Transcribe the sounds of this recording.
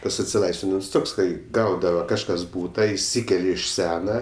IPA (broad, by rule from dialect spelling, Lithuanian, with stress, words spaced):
ˈtɐs ɐtʲsʲɪˈlˠɐɪsʲʋʲɪnʲɪms ˈtoːks ˈkɐɪ ˈɡɐʊdɐʋɐ kɐʃˈkɐs ˈbuːtɐ ɪʃʲˈsʲiːkʲɛlʲɛ ɪʃ ˈsʲæːnɐ